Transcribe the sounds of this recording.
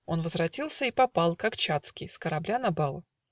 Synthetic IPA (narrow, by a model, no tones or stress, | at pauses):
o̞nvəzvɾɐtʲilˠsʲəipɐpɑlˠkakt͡ɕat̪skʲɪjskəɾɐblʲanɐbalˠ